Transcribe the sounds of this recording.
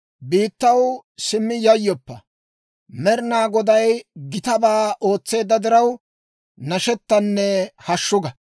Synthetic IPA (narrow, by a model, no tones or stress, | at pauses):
biːt̪ːɐwsɪmːɪjɐjːɔpːɐ | mɛɾnaːɡɔd̪ɐjɡɪt̪ɐbaːʔo̞ːt͡sːe̞ːd̪ːɐd̪ɪɾɐw | nɐʃɛt̪ːɐnːɛhɐʃːʊɡɐ